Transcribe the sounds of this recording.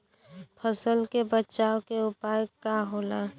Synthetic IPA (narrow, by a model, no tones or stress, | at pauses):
pʰəsəlkebətːt͡ʃaːokeʊpaːjəkːaɦoːla